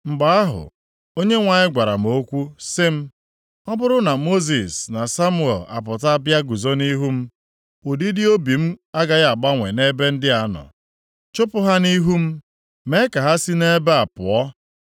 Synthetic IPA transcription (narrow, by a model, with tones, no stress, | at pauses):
ŋ͡m̩˨ɡ͡ba˨a˦ɦʊ̰˨ | o˦ɲe˦ŋʷa˨ɲɪ˦ɡʷa˨ɾa̰˨m̩˨o˦kʷu˦sɪ˦m̩˦ | ɔ˦bʊ˦ɾʊ˦na˨mo˦zi˨sna˨sa˦mʊ˦e˨la̰˨p̬ʊ˨ta˦bja˦ɡu˨zo˦ni˦ɦu˦m̩˦ | u˨di˦dɪ˦o˦bi˨m̩˦a˦ɡa˨ɣa˨ɡ͡ba˦ŋʷe˨ne˦be˦n̩˦dɪ˦a˨nɔ̰˨ | t͡ʃʊ˦pʊ˦ɦa˦ni˦ɦu˦m̩˦ | me˦ka˨ɦa˦si˦ne˦be˦a˨pʊ̰˨ɔ˦